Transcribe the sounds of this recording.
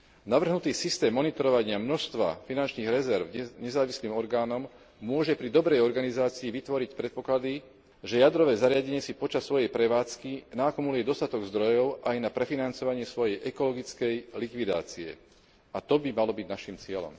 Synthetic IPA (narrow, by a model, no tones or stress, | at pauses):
naʋr̩ɦnut̪iːsist̪ɛːmːɔnit̪ɔɾɔʋaɲɪamnɔʃst̪ʋa̰finant͡ʃniːɣɾɛzɛɾvɲɛzaːʋisliːmɔɾɡaːnɔm | mʊɔʒɛpɾid̪ɔbɾɛjɔɾɡanizaːt͡siːʋit̪ʋɔɾicpɾɛt̪̚pɔklad̪i | ʒɛjad̪ɾɔʋɛːzaɾɪaɟɛɲɪɛsipɔt͡ʃasːʋɔjɛjpɾɛʋaːt͡skinakɔmulujɛd̪ɔst̪at̪ɔɡzd̪ɾɔjɔʊʔajnapɾɛfinant͡sɔʋaɲɪɛsʋɔjɛjʔɛkɔlɔɡit͡skɛjlikʋid̪a̰ːt͡siɛ̰ | at̪ɔbimalɔbiɟnaʃiːmt͡sɪɛlɔ̰m